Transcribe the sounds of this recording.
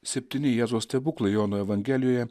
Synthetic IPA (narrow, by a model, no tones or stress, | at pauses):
sʲɛpʲt̪ʲinʲɪjɛzoːsʲt̪ʲɛbuklˠejoːnoːɛʋɐŋʲɡʲɛlʲɪjoːjɛ